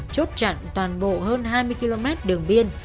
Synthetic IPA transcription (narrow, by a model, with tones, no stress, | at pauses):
t͡ɕo˦˥t̚t͡ɕa̰˧˨ŋt̪waː˨˩nɓo̰˧˨həː˧nɦaː˧jmɨ˧əjki˧lo˧mɛ˦˥t̚ɗɨ˨˩əŋɓi˧ən